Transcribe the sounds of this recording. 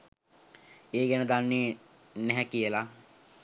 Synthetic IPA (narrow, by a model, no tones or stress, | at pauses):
eːɡɛnəd̪anːeː | nɛɦɛkijəla